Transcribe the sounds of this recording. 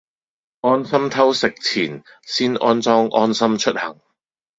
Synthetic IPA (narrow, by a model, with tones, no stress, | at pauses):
ʔɔː˥nsɐ˥mt̪ʰɐ˥wsɪ˨k̚t͡sʰiː˨˩n | siː˥nʔɔ̰ː˥nt͡sɔː˥ŋʔɔ̰ː˥nsɐ˥mt͡ʃʰɵ˥t̚hɐ˨˩ŋ